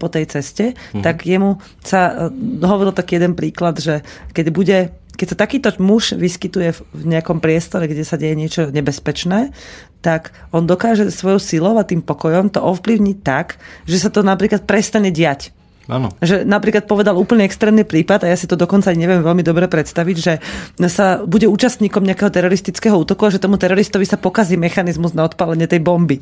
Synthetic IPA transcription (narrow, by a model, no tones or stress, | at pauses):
pɔt̪ɛjt͡sɛscɛt̪aɡjɛmu | sad̪ɔɦɔʋɔɾilt̪akiːjɛd̪ɛnpɾiːklad̪ʒɛkɛɟbuɟɛ | kɛcsat̪akiːt̪ɔmuʃʋiskit̪ujɛvɲɛakɔmpɾɪɛst̪ɔɾɛɡɟɛsaɟɛjɛɲɪɛt͡ʃɔɲɛbɛspɛt͡ʃnɛːt̪akɔnd̪ɔkaːʒɛsʋɔjɔʊsilɔʊat̪iːmpɔkɔjɔmt̪ɔʔɔfpliʊɲic̚t̪akʒɛsat̪ɔnapɾiːklat̪̚pɾɛst̪aɲɛɟɪac | a̰nɔ̰ʒɛnapɾiːklat̪̚pɔʋɛd̪aluːpl̩ɲɛɛkst̪ɾɛːmnipɾiːpad̪ajaːsit̪ɔd̪ɔkɔntt͡saaɲiɲɛʋɪɛmʋɛlmid̪ɔbɾɛpɾɛt̪st̪aʋiɟʒɛsabuɟɛuːt͡ʃast̪ɲiːkɔmɲɛakɛɦɔt̪ɛɾɔɾist̪it͡skɛɦɔuːt̪ɔkuaʒɛt̪ɔmut̪ɛɾɔɾist̪ɔʋisapɔkaziːmɛxanizmuznaɔt̪palɛɲɛt̪ɛjbɔmbi